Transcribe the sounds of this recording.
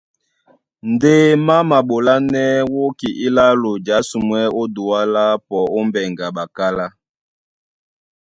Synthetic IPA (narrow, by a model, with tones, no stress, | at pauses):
n̩˨de˦ma˦ma˨ɓo˨la˦nɛ˦wo˦ki˨ʔi˦la˦lo˨d͡ʒa˨˦su˨mwɛ˦o˦du˨wa˦la˦pɔ˨o˦m˦bɛ˨ŋɡa˨ɓa˨ka˦la˦